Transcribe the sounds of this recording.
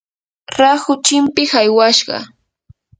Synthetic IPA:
ɾaxʊt͡ʃɪmpɪxajwaʃɢɑ̰

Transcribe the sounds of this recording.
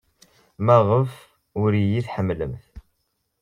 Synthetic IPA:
mæʁəf | ʊɾijiθħəmːləmθ

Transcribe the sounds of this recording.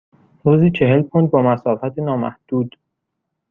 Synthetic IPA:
ɾuːziːt͡ʃʰe̞ɦe̞lkʰond̪̚bɒːmæsɒːfæt̪ʰenɒːmæ̰hd̪̥uːd̪̥

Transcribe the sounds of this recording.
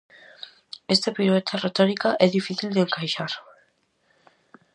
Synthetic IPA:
est̪apiɾoet̪ʰaret̪ɔɾikaʔɛðifiθild̪eŋkajʃaɾ

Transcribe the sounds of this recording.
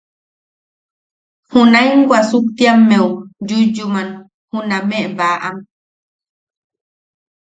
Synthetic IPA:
hunajŋɡwʷasukt̪iamːewd͡ʒud͡ʒuman | hunãmeʔbaʔam

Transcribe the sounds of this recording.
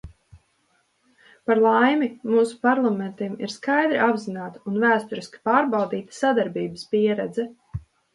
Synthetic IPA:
paɾlˠajmimuːsu̥paɾlˠament̪imḭɾskajd̪ɾiʔabzinaːt̪aunvæːst̪uɾiskʲi̥paːɾbalˠd̪iːt̪ə̥sad̪aɾbiːbəspiɛɾɛd̪zɛ

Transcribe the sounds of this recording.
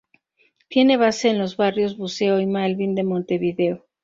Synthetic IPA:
t̪je̞ne̞βase̞ːnlo̞zβarjo̞zβuse̞o̞imalβind̪e̞mo̞nt̪e̞βiðe̞o

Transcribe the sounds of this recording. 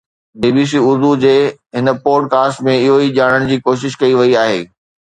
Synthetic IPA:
biːbiːs̬iːʊɾd̪ud͡ʑeːɦɪnəpoːɖkaːsʈmẽɪɦoid͡ʑaːɽ̃əɽ̃d͡ʑiːkoːʃ̬ɪʃkɐiʋɐiaːɦeː

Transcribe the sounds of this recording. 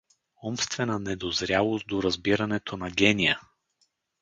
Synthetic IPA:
ɔmst̪vɛnənɛd̪ozɾʲalˠost̪̚d̪oɾɐzbiɾɐnɛt̪ʰonɐɡʲɛnijə

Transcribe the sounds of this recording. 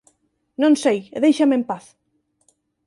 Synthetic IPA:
nõnsejðejʃamempaθ

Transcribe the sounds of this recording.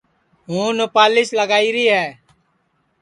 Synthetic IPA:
ɦũːnʊpaːlɪsləɡaːiːɾiːɦɛː

